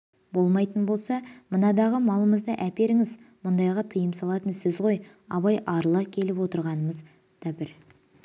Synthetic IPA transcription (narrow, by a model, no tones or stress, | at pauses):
bo̞lˠmɑjt̪ənbo̞lˠsɑmʊnɑd̪ɑʁəmɑlˠəməzd̪ɑʔæpʲe̞ɾɪŋɪzmʊnd̪ɑjʁɑt̪ʰəjəmsɑlˠɑt̪ənsɪzʁo̞j | ɑβɑjʔɑɾlˠɑkʲʰe̞lɪpwo̞t̪əɾʁɑnəməz | d̪̥ɑbɪɾ